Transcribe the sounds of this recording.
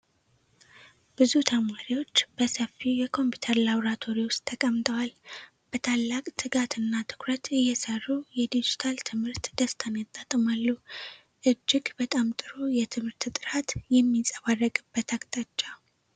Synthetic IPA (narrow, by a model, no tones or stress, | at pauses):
b̥ɨzut̪ʰəmaɾiwo̞t͡ʃːbəsəfijɛkʰo̞mpʰi̥t̪ʰəɾlaβɾat̪ʰo̞ɾiwʊst̪ʰːəkʼəmt̪ʰʼəwal | b̥ət̪ʰalːakʼt̪ʰɨɡat̪ʰɨnːat̪ʰɨ̥kʰɾət̪ɨjːɛsərːujɛd̪id͡ʒit̪ʰalt̪ʰɨmhɨɾt̪d̪̥əst̪ʰanat̪ʼːat̪ʼmalːu | ʔɨd͡ʒːɪɡbət̪ʼamt̪ʼɨɾujɛt̪ʰɨmhɨɾt̪ʰɨt̪ʼɨɾat̪jɛmːisʼəβarːəkʼɨbːət̪ʰakʼt̪ʼat͡ʃʼːa